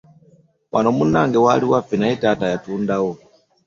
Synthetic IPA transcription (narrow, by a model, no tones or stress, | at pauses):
wʔanɔmunaŋɡɛwaliwafinaitatajatundawɔ